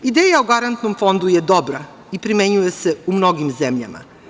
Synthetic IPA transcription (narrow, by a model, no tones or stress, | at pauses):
id̪eːjaoɡaɾant̪nomfo̞nd̪ujed̪obɾa | ipɾimeɲujeseumno̞ɡimzemʎa̰ma̰